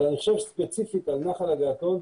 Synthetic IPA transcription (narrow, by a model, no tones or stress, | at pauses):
niχʃevspet͡sifit̪alnaχalaɡaat̪on